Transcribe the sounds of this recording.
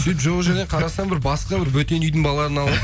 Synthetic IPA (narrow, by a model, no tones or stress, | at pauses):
sepʒoʁəʒæne̞qʰɑɾɑsɑɴbɪɾbɑsqɑbɪɾbɵt̪e̞nyjd̪ɪŋbɑlːˠɑɾənɑlˠ